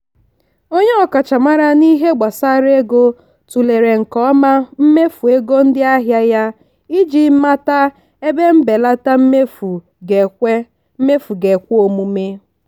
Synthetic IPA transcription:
o˦ɲe˦ɔ˨ka˨t͡ʃa˨ma˦ɾa˦ni˦ɦe˦ɡ͡ba˨sa˦ɾe˦ɡo˦ | tu˨le˨ɾe˨ŋ̩˨kɔ˦ɔ˦ma˦m̩˦me˦fu˨e˦ɡo˦n̩˦dɪ˦a˦ɦja˦ja˦ | i˦d͡ʒi˨˦ma˦ta˦ | e˦be˦m̩˦be˨la˦ta˦m̩˦me˦fu˨ | e˨e˦ | me˦fu˨ɡe˨kʷo˨mu˦me˦

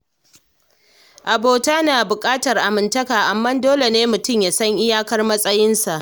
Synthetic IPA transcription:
ʔa˨boː˨taː˦naː˨bʊ˨kʼaː˦tɐ˨rʔa˨mɪ˨ntɐ˦kaː˨ʔa˨mːɐ˦ndoː˦le˨neː˦mʊ˨tʊ˦˨mjaː˨sɐ˦ɲʔɪ˦jaː˦kɐ˦rmɐ˦sʼɐ˦jɪ˦nsa˨ʔ

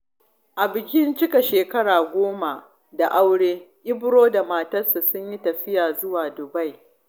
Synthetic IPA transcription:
ʔa˨bɪ˨kʲɪ˦nt͡ʃɪ˦ka˨ʃeː˨kɐ˦ɽaː˨ɡʷoː˦ma˨ | da˨ʔa˦wɽeː˦ʔʲɪ˦bɽoː˦da˨maː˨tɐ˦rsa˨sʊ˦ɲji˦tɐ˨ɸɪ˦jaː˨zʊ˦waː˨dʊ˨ba˦j

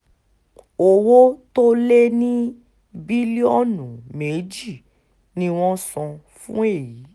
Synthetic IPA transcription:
o˧wo˦to˦le˦nĩ˦ | bi˦li˦ɔ˦˨nũ˨me˨˦d͡ʒi˦˨ | nĩ˦w̃ɔ̃˦sɔ̃˧ | fṵ̃˦e˦˨ji˨˦

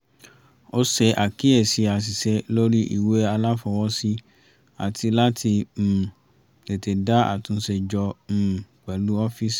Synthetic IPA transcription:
o˦sɛ˧ʔa˨ki˦e˨si˨˧˦a˧s̬i˨sɛ˧lo˦ɾi˦ʔḭ˨we˨˦a˧la˦fɔ˧wɔ˦si˦ | a̰˨tʰi˧la˦tʰi˧˨ | te˨te˨da˦a̰˨tũ˨˧˦se˧d͡ʒɔ˧m̩˨k͡pɛ˨lu˨˦ɔ˦fi˦s

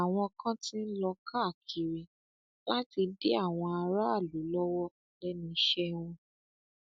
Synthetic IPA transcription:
a˨w̃ɔ̃˧kʰã˦tĩ˦n̩˦lɔ˧kʰa˦˨kʰi˨ɾi˨ | la˦ti˧de˦a˦˨w̃ɔ̃˧a˧ɾa˦˨lu˨˦lɔ˦wɔ˦˨lɛ˦nĩ˧˦ʃɛ˦wũ˧

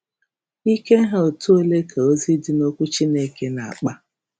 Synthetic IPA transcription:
i˦ke˦ɦe˨˦o˨tu˦o˦le˦kʰa˨o˦zi˦dɪ˨no˦kʷu˦t͡ʃi˦ne˦ke˦na˨a̰˨k͡pa˦

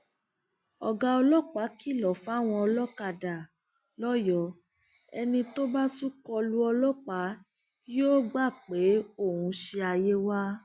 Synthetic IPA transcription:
ɔ˨ɡa˧ɔ˧lɔ˦k͡pa˨˦ki˦˨lɔ˨fa˦w̃ɔ̃˧ɔ˧lɔ˦ka˧˨da˨ | lɔ˦jɔ˨˦ | ɛ˧nĩ˧to˦ba˦tu˦kɔ˧lu˦ɔ˧lɔ˦k͡pa˨˦ | joː˦ɡ͡ba˦˨k͡pe˨˦o˦˨hũ˧ʃe˧a˧je˦wa˦

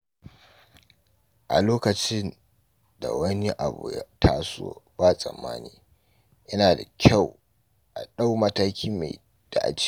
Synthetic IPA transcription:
ʔa̰˨loː˦kɐ˨t͡ʃɪ˦n | da̰˨wɐ˦ni˦ʔa˨bṵ˨ja̰˦tʰaː˦so̰ː˦baː˦sʼɐ̰˨mːa̰ː˦niː˨ | ʔɪ˦naː˨da˨kʲʰa˦˨w | ʔa̰˨ɗa˦wmɐ˦taː˦kʲʰiː˦ma˨j | d̥a˨ʔa̰˨t͡ʃ

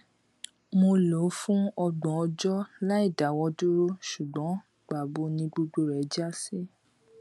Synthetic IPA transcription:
mo˧lo˨˦fũ˦ɔ˧ɡ͡bɔ̃˨ɔ˧d͡ʒɔ˦la˦i˦˨da˨˦wɔ˧du˦ɾo˦ʃu˨ɡ͡bɔ̃˨˦ | ɡ͡ba˨ɡ͡bo˧˦nĩ˧ɡ͡bo˧ɡ͡bo˧ɾɛ˨˦d͡ʒa˦si˦

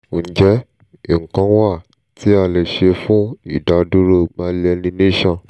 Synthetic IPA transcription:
d͡ʒɛ˦ | i˨ŋ̩˨kã˧˦wa˦˨ | ti˦a˧˨lɛ˨ʃe˧fũ˦i˨da˨du˦ɾo˧mãː˨˧˦lɛ˧nĩ˧nẽ˦ʃã˧

